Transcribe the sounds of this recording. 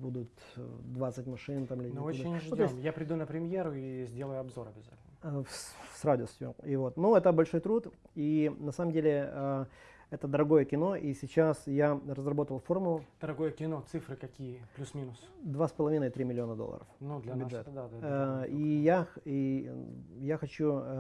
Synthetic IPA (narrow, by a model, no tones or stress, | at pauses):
bud̪ʊt̪ | d̪vat̪sɨtʲmɐʂɨnt̪amɪlʲɪoɪnʐt̪ʲoɪsmʲtjapɾʲɪd̪unəpɾʲɪmʲjeɾʊizʲdʲe̞lˠəjʊɐbzo̞ɾɐbʲɪza̰tʲɪlnn | srad̪ʲʊsʲt̪ʲjʊ̰ivo̞t̪nuɛt̪əbɐlʲʂo̞jt̪ɾut̪inɐsaməmdʲelʲɪə | ɛt̪əd̪əɾɐɡo̞jəkʲɪno̞ʔisʲɪt͡ɕasjarəzrɐbo̞t̪əəlˠfo̞rmʊlˠʊd̪̥əɾɐɡo̞jəkʲɪno̞t̪sɨfɾɨkɐkʲijəplʲusmʲinʊsd̪vaspəlˠɐvʲinəɪt̪ɾʲimʲɪlʲɪo̞nəd̪o̰lˠə̰ɾə̰fnud̪lʲbʲɪʐɛt̪d̪ad̪adijai | jaxɐt͡ɕu